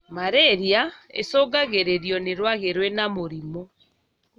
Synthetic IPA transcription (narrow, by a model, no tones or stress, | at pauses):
maɾeɾiaḛsɔːɡaɣeɾeɾjɔneɾwaɣeɾwɛnamoɾimɔ